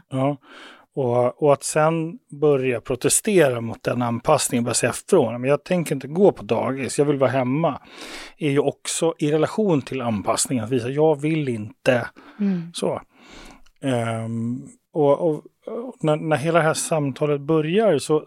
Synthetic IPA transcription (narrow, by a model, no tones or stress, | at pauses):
jɑː | ɔɔat̪sɛnbœɾjapʰɾʊt̪ɛst̪eːɾamʊt̪̚d̪ɛnːanpʰasnɪŋənbɾjasɛːafɾoːnmɛnjɑːɡt̪ʰɛŋkəɾɪnt̪əɡoːpʰɔd̪ɑ̰ːɡɪsjɑːvɪlvɑːɦɛmːa | æɾjɵɔksɔʔɪɾɛlaɧuːnt̪ʰɪlanpʰasnɪŋənat̪viːsajɑːɡvɪlːɪnt̪ə | so̰ː | ɔʔɔ | nænæɾɦeːlad̪ɛɦæʂamt̪ʰɑːlət̪̚bœɾjaɾsɔ